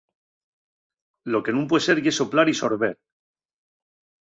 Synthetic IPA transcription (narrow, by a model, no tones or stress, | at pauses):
lo̞ke̞nũmp̬weese̞ɾʝeso̞plaɾiso̞ɾβe̞ɾ